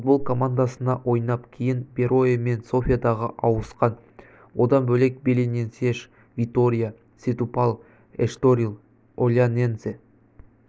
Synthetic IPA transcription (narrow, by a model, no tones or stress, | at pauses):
fud̪bo̞lˠkʰo̞mand̪asənɑʔwʔo̞jnɑpkʲʰejɪnbʲe̞ɾo̞jeme̞nso̞fʲijad̪ɑʁəʔɑwəsqɑn | wo̞d̪ɑnbɵle̞k̚be̞lenʲense̞ʃ | vʲit̪o̞ɾʲija | sʲet̪upalˠ | eʃt̪oɾʲilˠ | olʲjanenze